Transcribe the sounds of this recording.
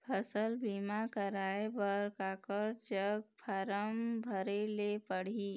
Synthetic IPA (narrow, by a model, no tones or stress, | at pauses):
pʰəsəlbiːmakəɾaːebəɾkaːkəɾd͡ʒəɡ̚pʰaɾəmbʱəɾelepəɽ̤iː